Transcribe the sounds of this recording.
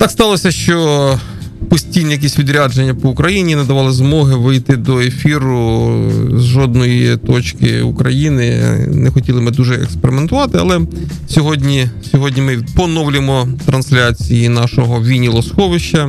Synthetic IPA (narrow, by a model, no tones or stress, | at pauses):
t̪ɑkst̪ɑlˠɔsʲɐʃt͡ʃɔ | pɔsʲtʲijnɛjɐk̬ʲɛsʲʋʲid̪ɾʲad͡ʒenʲːɐpɔʊkɾɐjinʲinɐd̪ɐʋɑlˠɪzmɔɦɪʋɪjt̪ɪd̪ɔefʲiɾʊ | zʒɔd̪nɔjit̪ɔt͡ʃkɪ̰ukɾɐjinɪnɛxɔtʲilˠɪmɪd̪uʒɛɛ̰kspeɾɪment̪ʊʋɑt̪ɪɐ̰lˠɛsʲɔɦɔdʲnʲisʲɔɦɔdʲnʲimɪpɔnɔwlʲɪmɔt̪ɾɐnsʲlʲat͡sʲijinɑʃɔɦɔʋʲinʲilˠɔsxɔʋɪʃt͡ʃɐ